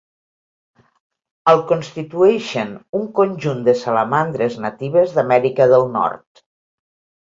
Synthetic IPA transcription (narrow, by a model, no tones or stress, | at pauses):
əlˠkonst̪it̪uɛʃenuŋkonʲʒund̪əsalamand̪ɾeznat̪iβezðamɛɾikəðəlˠnɔ̰ɾt̪